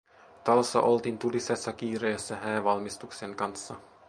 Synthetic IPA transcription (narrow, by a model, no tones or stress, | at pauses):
t̪ɑlsːɑ̰ʔo̞lt̪iːnt̪ulisesːɑkiːɾejæsːæɦæːʋɑlmist̪ukseŋkɑnsːɑ